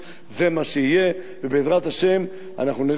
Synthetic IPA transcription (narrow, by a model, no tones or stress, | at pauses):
zemaʃeije | vebeːzʁat̪haʃe̞m | a̰naχnuniʁ